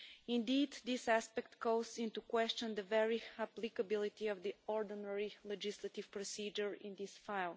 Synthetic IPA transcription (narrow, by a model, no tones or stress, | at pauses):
ɪ̃nd̪id̪dɪsæspɛk̚t̪ɡoʊzɪ̃nt̪ukwɛst͡ʃə̃nd̪əvɛɹiaplikəbɪlˠit̪iɔvd̪iɔɹd̪ənɛɹilɛd͡ʒislət̪iv̥pɹɔsid͡ʒəɹɪ̰̃nd̪ɪsfaɪlˠ